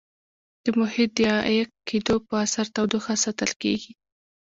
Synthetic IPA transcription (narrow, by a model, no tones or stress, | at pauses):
d̪̥əmʊhɪt̪̚d̪əked̪opəasaɾt̪awd̪oxasat̪əlkḛɡi